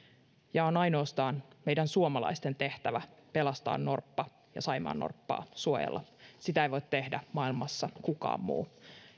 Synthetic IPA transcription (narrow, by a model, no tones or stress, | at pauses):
jɑonɑjno̞ːst̪ɑːnme̞idænsuomɑlɑ̰ist̪e̞nt̪e̞ht̪æʋæpelɑst̪ɑ̰ːnno̞rpːɑ | jɑ̰sɑjmɑ̰ːnːo̰rpːɑ̰ːsuojḛlːɑ̰sit̪æeiʋo̞it̪t̪ːe̞hdæmɑilmɑsːɑkukɑ̰ːmːṵː